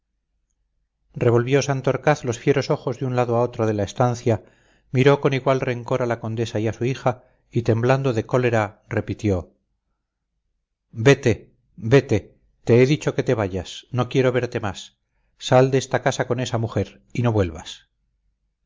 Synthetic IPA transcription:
re̞βo̞lβjo̞sant̪oɾkaθlo̞sfje̞ɾo̞so̞xo̞zðunlaðoao̞t̪ɾo̞ð̞e̞laest̪anθja | miɾo̞ko̞niɣwalre̞ŋko̞ɾalako̞nd̪e̞saiasuixa | it̪e̞mbland̪o̞ðe̞ko̞le̞ɾare̞pit̪jo̞ | be̞t̪e̞ | be̞t̪e̞ | t̪e̞eðit͡ʃo̞ke̞t̪e̞βajasno̞kje̞ɾo̞β̞e̞ɾt̪e̞masː | ald̪eest̪akasako̞ne̞samuxe̞ɾ | ino̞βwe̞lβas

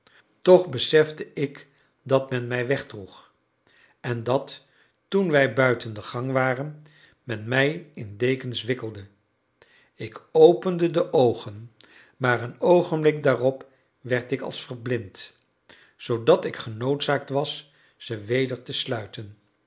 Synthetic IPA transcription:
tɔχbəsɛfdəɪk | dɑtmɛnmɛjʋɛχdruχ | ɛndɑtː | unʋɛjbœɥtəndəχɑŋʋaːrən | mɛnmɛjɪndejkənsʋɪkəlˠdə | ɪkowpəndədəʔowχən | maːrənowχənmblɪk̚daːrɔp | ʋɛɹtɪkɑ̰lˠsfərblɪnt | z̥owdɑtɪkχənowtsaːk̚tʋɑs | z̥əʋejdəɹtəslœɥtən

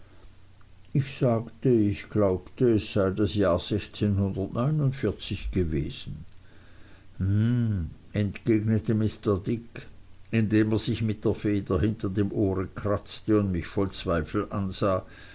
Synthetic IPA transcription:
ɪçz̥aːktəɪçɡ̥laʊptəɛsz̥aɪdasjaːɐz̥ɛçt͡seːnhʊndɐtnɔʏnʊndfɪɐt͡sɪçɡ̥əveːz̥n̩ | m̩ | ɛntɡ̥eːɡnətəmɪstɐɐdɪkɪndeːmeɐz̥ɪçmɪt̚d̥eːɐfeːdɐɦɪntɐdemʔoːʁəkʁ̥at͡stəʊndmɪçfɔlt͡sv̥aɪfl̩ʔanzaː

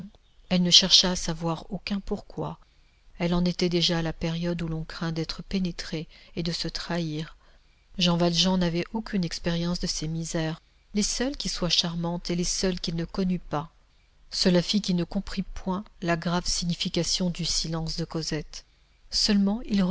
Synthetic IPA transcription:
ɛlnəʃɛʁʃaːsavwaʁokʲɛ̃puʁkwa̰ | ɛlɑ̃net̪ɛd̪eʒaːlapeʁjɔd̪ulɔ̃kχɛ̃d̪ɛt̪χəpenet̪χeed̪əsət̪χaiːʁ | ʒɑ̃valʒɑ̃navɛʔokʲynɛkspeʁjɑ̃sd̪əsemizɛʁ | lesœlkʲiswaʃaʁmɑ̃t̪elesœlkʲilnəkɔnypa | səlafikʲinəkɔ̃pχipwɛ̃laɡʁavsiɲifikʲasjɔ̃d̪ysilɑ̃sd̪əkɔzɛt̪ | sœlmɑ̃il

